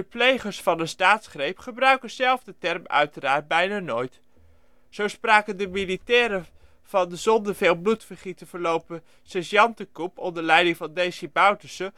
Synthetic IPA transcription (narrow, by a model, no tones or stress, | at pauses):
əplejχəɹsfɑnəstaːtsχrejpχəbrœɥkənzɛlˠvdətɛrmœ̰ɥtəɾaːɹt̚bɛjnaːnojt | z̥owspraːkəndəmilitɛːɾə | v̥ɑndəzɔndəveːlˠblutfəɹχitəvəɹlowpə | sɛsjɑntəkupɔndəɹlɛjdɪŋvɑndejsibawtəsə